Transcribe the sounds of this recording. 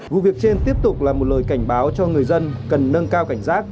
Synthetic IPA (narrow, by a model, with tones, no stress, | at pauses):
vṵ˧˨vi˨˩ək̚t͡ɕe˧nt̪i˦˥əp̚t̪ʊ˨˩k͡p̚laː˨˩mo˨˩t̚ləː˨˩jka˧˩jŋ̟ɓaː˨˦wt͡ɕɔ˧ŋɨ˨˩əjzə˧nkə˨˩nːə˧ŋkaː˧wka˧˩jŋ̟zaː˦˥k̚